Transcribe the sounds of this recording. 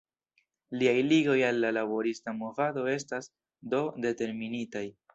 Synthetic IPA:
liajliɡo̞jalːalabo̞ɾistamovado̞e̞stas | do̞de̞te̞ɾminitaj

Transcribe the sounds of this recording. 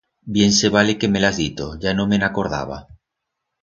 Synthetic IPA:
bje̞nse̞β̞alekemelazðit̪oʝanõmenako̞ɾð̞a̰β̞a̰

